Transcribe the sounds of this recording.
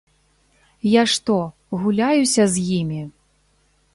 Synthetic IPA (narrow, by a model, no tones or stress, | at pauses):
jaʂt̪ɔ | ɣulʲajusʲɐzʲjimʲi